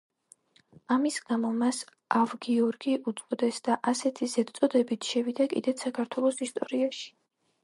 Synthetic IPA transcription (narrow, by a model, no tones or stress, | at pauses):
amisɡamɔmas | avɡiɔɾɡiʔut̪sʼqʼɔd̪ɛsd̪aʔasɛt̪ʰizɛd̪t̪sʼɔd̪ɛbit̪ʰʃɛvid̪akʼḭd̪ɛt̪sakʰaɾt̪ʰwɛlˠɔsist̪ʼɔɾiaʃi̥